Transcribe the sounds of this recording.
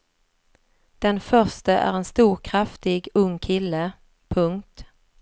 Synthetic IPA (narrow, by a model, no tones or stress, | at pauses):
d̪̥ɛnfœʂʈəʔæ̰ɾɛnst̪uːɾkʰɾaft̪ɪɡɵŋːkʰɪlːə | pʰɵŋkt̪